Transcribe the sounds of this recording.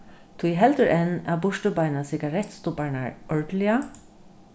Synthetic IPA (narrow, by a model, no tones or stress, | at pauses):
t̪ʰuɦɛlt̪əɹʔɛna̰bʊʂtəbaɪnasɪɡaɹɛt̪st̪ʊpaɹɳa̰ɹɔɹd̪lɪa